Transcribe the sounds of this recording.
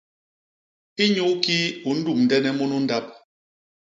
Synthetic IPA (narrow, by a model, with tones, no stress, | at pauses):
i˦ɲu˦ki˦u˨n̩˦du˦˨mn̩˨dɛ˦nɛ˦mu˦nu˦n̩˦da˦p̚